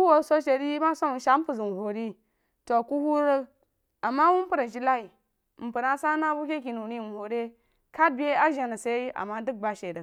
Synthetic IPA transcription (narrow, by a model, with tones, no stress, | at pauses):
ku˦wo˨so˦ʃe˨di˦ji˦ma˦so˦˨ʃa˨˦m̩˦pu˨zi˨n˨ho˨ɾi˦ | to˨ku˦hu˦ɾə˦ | a˨mːa˦wu˦m˦pu˦ɾa˨d͡ʒi˦la˦i˨ | m̩˨pɨ˨ɾa˦sa˦na˦bu˦kʲe˦k̬i˨nu˨ni˦˨n˨ho˨ɾe˦ | ka˦d̚bʲe˦a˦ʒa˨na˨sa˦i˦ʔa̰˨mːa˦dɨ˦k̚ba˨ʃe˨də˨